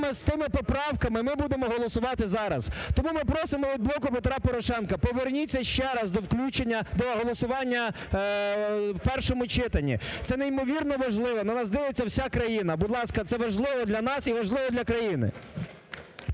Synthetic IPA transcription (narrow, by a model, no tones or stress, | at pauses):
mɛst̪ɪmɪpɔpɾɑwkɐmɪmɪbud̪emɔɦɔlˠɔsʊʋɑt̪ɪzɑɾɐzt̪ɔmumɪpɾɔsɪmɔʋʲid̪̚blˠɔkʊpet̪ɾɑpɔɾɔʃɛnkɐpɔʋernʲit͡sʲːɐʃt͡ʃɛɾɐzd̪ɔwklʲut͡ʃenʲːɐd̪ɔɦɔlˠɔsʊʋɑnʲːɐ | wpɛrʃɔmʊt͡ʃɪt̪ɐnʲḭt̪sɛnɛimɔʋʲirnɔʋɐʒlˠɪʋɔnɐnɑzd̪ɪʋet͡sʲːɐwsʲakɾɐjinɐbʊd̪lˠɑskɐt̪sɛʋɐʒlˠɪʋɔd̪lʲɐnɑsiʋɐʒlˠɪʋɔd̪lʲɐkɾɐjinɪ̰